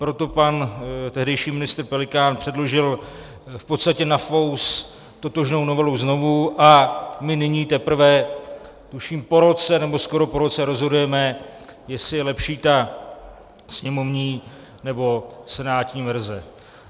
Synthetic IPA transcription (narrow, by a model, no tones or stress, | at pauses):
pɾo̞t̪o̞pant̪ɛɦdɛjʃiːmɪnɪst̪ɾpɛlɪkaːnpr̝̥ɛdlo̞ʒɪl | fpot̪st̪acɛnafows | t̪o̞t̪o̞ʒno̞wno̞vɛluwzno̞vuʔamɪnɪɲiːt̪ɛpɾ̩vɛ | t̪uʃiːmpo̞ɾo̞t͡sɛnɛbo̞sko̞ɾo̞po̞ɾo̞t͡sɛɾo̞zɦo̞dujɛmɛjɛsɪjɛlɛpʃiːt̪a | sɲɛmo̞vɲiː | nɛbo̞sɛnaːt̪ɲiːvɛɾzɛ